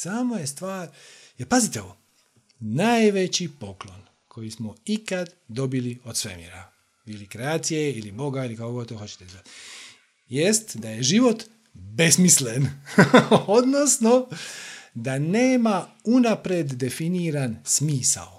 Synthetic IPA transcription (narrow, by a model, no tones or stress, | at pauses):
samoje̞st̪ʋaːɾ | epazit̪eoo | najʋe̞t͡ɕipo̞klˠo̞n | kʰo̞jismoikad̪d̪o̞bilio̞d̪sʋemḭɾa | ilikɾeaːt̪sije̞ilibo̞ɡailikakoɡot̪t̪oxo̞t͡ɕe̥t̪eizat̪ | je̞st̪d̪aje̞ʒiʋo̞t̪ | be̞smislen | od̪no̞sno̞ | d̪aneːma | unapɾed̪ːe̞finiːɾansmiːsa̰l